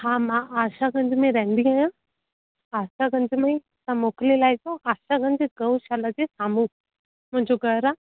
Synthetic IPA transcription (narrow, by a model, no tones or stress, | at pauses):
hãːmãʔaːʃaɡə̃ɲd͡ʑmẽɾɐɦɪ̃nd̪iaːjã | aːʃaɡə̃ɲd͡ʑmẽ | sãmoːklilaːɪsõʔaːʃaɡə̃ɲd͡ʑɡɐʋuʃalad͡ʑesaːmũː | mʊ̃ɦɪ̃ɲd͡ʑoɡəɾaː